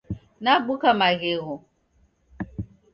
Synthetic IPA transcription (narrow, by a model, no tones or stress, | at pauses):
naɡ͡bukamaɣeɣʊ